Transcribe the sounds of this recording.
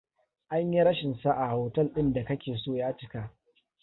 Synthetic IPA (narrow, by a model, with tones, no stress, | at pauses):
ʔa˦ɲji˦ɽɐ˦ʃɪ˨nsa˦ʔa˨hoː˨tɐ˦lɗɪ˦nda˨kɐ˦kʲeː˨soː˦˨jaː˦t͡ʃɪ˦kaː˦ʔ